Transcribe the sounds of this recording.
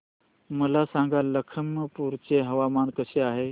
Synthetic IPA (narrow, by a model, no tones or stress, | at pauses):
məlasãŋɡaləkʰəmːəpuɾt͡ɕeɦəʋamankəɕeaɦe